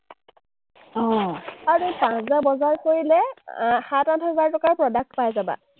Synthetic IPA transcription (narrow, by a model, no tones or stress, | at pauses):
ɔ̃aɹupãszabɔzaɹkoɹilɛxãtatɦɛzaɹtɔkaɹpɹɔdak̚tpajzaba̰